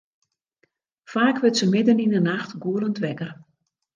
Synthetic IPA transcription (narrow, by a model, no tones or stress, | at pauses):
faːkʋɪtsəmɪdəninənaxtɡuələntʋɛkər